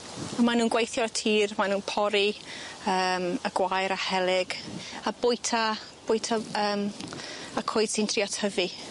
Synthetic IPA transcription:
amanuːnɡwejθjɔətʰiːrmanuːnpʰɔɾiəːməɡwajɾahɛlˠɪɡabʊjtʰa | b̥ʊjtʰaəːm | akʰoːɨd̥sɪntʰriɔtʰəvi

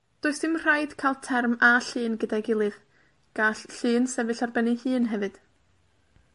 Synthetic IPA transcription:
d̥oːɨsd̥ɪmr̥ajd̥kʰajlˠtʰɛrmaɬɨːnɡədaɡɪlˠɨð | ɡ̥aːɬɬɨːnsɛvɨɬarbɛnɨhɨːnɦɛvɨd̥

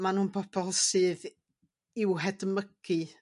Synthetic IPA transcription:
manuːnbʰɔb̥ɔlˠsɨːð | ɪwɦɛdməɡ̥ɨ

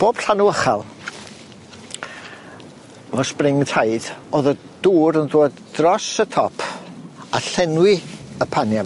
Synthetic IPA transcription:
b̥oːb̥ɬanuəχa̰lˠ | vɔsprɪŋtʰaɨd̥oːðə | d̥uːɾənðoːd | rɔsətʰɔpʰaɬɛnwɪəpʰanja

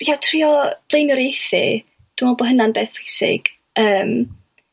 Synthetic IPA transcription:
jatʰriɔb̥lˠejnjɔɾejθɪ̰ | d̥wumɔlˠbɔɦənanbeːθejsɪ̰ɡ̥ | əːm

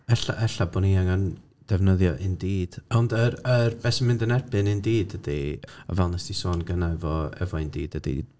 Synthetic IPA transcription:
ɛɬa̰ʔɛɬabɔniaŋan | d̥ɛvnəðjɔʔɨndiːd̥ɔndəɾərbɛsəmɪndənɛrbɨnɨndiːdədia̰vɛlˠnasd̥isoːnɡənaɛvɔɛ̰vɔɨndiːdəd̥ḭ

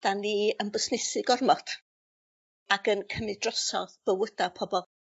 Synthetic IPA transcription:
d̥aniənbəsnɪsɨɡɔrmɔtʰ | aɡənkʰəmɪdrɔsɔðb̥əwədapʰɔbɔl

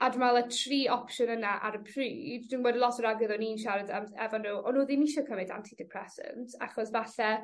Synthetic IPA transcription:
admalˠətʰriːɔpʃʊnənaʔa̰ɾəpʰrʉːddiːnwɛːdəlˠɔtʰəɾaɡəðɔninʃ̬aɾadamɛ̰vɔnːuːʔɔnuːðinɪʃɔkʰəmɛda̰ntʰidɪpʰr̥ɛsə̰ntʰa̰χɔsvaɬɛ

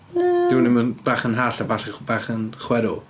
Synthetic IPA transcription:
d̥ɪwnɪmənb̥aːχənɦaːɬabaɬbaːχənχwɛɾʊ

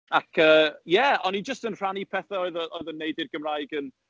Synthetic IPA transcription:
akʰəːjɛɔnid͡ʒəstənr̥anipʰɛθaɔɨðəʔɔjðənːejdɪrɡ̥əmrajɡən

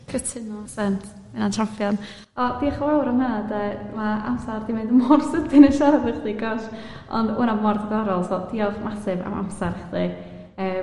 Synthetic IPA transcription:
kʰətʰɪnɔsɛntʰ | ɪnantʰamfjɔn | ɔd̥iaχlˠawɾɔmənadɛmaʔamsardimendəmɔrsədɪnəʃaɾabəχdiɡɔʃ | ɔ̰ndṵnamɔrdəɡɔɾɔlˠzɔd̥iɔχmasɨva̰mʔa̰msaɾχdi | əː

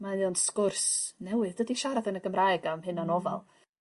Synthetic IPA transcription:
maɨɔnskʊrsnɛwɪðdədiʃaɾaðənəɡəmrajɡamhɨnanɔva̰lˠ

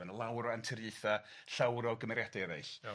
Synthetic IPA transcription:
ɛnəlˠawɾɔantʰəɾjɨɨθa | ɬawɾɔɡəmɛɾjad̥aɾḛjɬ

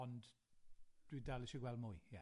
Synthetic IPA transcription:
ɔnd | d̥widalˠɪʃiɡwɛlˠdmʊːjja

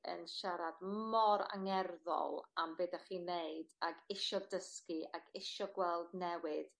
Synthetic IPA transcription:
ə̰nʃaɾadmɔɾa̰ŋɛrðɔ̰lˠambeːdaχiːneɨd̥aɡɪʃɔdəskiʔaɡɪʃɔɡwɛlˠdnɛwɨd̥

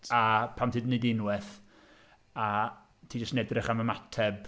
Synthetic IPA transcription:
apʰamtʰɨːdnedɪnwɛθ | a | tʰiːd͡ʒəstnɛdrɪχaməmatʰɛb̥

